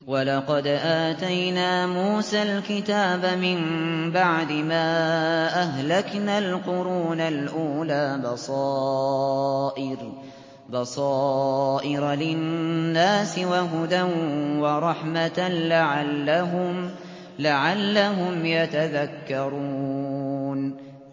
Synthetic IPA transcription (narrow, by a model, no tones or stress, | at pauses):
walɑqɑd̪ʔaːt̪ajnaːmuːsalkɪt̪aːbamɪmbaʕd̪ɪmaːʔaɦlaknalqʊɾuːnalʔuːlaːbɑsˤɑː | ʔɪɾ | bɑsˤɑːʔɪɾlɪnːaːsɪwaɦʊd̪awɑɾˤɑħmat̪alaʕalːm | laʕalːaɦʊmjat̪aðakːɑɾˤuːn